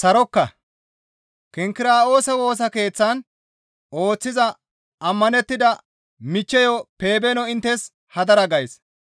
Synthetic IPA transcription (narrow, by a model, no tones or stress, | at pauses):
sɐɾɔkːɐ | kɪŋkɪɾaːo̞ːsɐwo̞ːs̬ɐke̞ːt͡sːɐn | o̞ːt͡sːɪzɐ | ɐmːɐnɛt̪ːɪd̪ɐ | mɪt͡ʃːɛjɔpe̞ːbɛnɔɪnt̪ːɛs | hɐd̪ɐɾɐɡɐjs